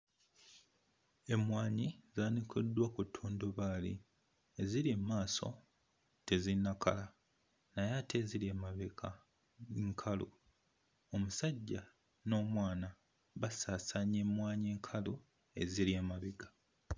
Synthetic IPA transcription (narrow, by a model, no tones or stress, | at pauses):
e̞mwaːɲizaːnikodːwakutʰːuːndoβaːli | eziliemaːso̞̰ | te̞zinːaka̰la | najatʰe̞ziliemaβekʰa | ŋkʰalṵ | o̞musaɟːa | no̞ːmwaːna | βasaːsaɲemwaːɲeːŋkʰalu | e̞ziliemaβiɡa